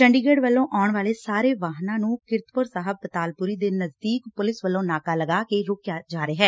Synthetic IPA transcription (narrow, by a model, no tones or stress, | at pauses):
t͡ʃəɳɖiːɡeːɖʋəlːõːʔaːɳʋaːleːsaːɾeːʋaːɦnãːnũːkɪɾt̪pʊɾsaːɦəb̚ːət̪aːlpʊɾiːd̪eːnəzd̪iːkpʊlɪsʋəlːõːnaːkaːləɡaːkeːɾʊːkjaːd͡ʒaːɾeːɦɛː